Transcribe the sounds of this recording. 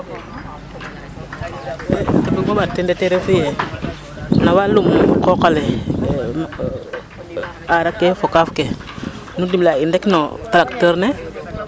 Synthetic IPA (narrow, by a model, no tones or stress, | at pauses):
etebiɡobatendeteɾefije | nawalumkokalɛm | aɾakːefokafke | nudimlaindekno̰talak̚təɾne